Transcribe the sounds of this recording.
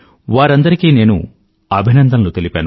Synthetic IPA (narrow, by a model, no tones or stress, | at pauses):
ʋaːɾɐnd̪ɐɾikiːne̞ːnṵ | ɐbʱinɐnd̪ʱɐnloːt̪e̞lipaːnu